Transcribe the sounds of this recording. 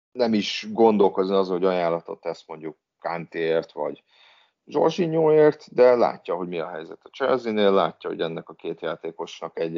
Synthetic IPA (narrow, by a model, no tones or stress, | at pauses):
nɛmiʃɡo̞nd̪o̞lko̞zniɒzɒɦo̞ɟɒjaːlːɒt̪o̞̰t̪ːɛsmo̞ɲɟukːant̪eːeːrt̪ʋɒ̰ɟ | ʒo̞̰rʒiɲoːeːrt̪d̪ɛla̰ːcːɒɦo̞ɟmiɒɦɛ̰jzɛt̪ɒ̥t͡ʃɛ̰lzineːlːa̰ːcːɒɦo̰ɟɛnːɛkɒkeːt̪jaːt̪eːko̞ʃnɒkɛɟ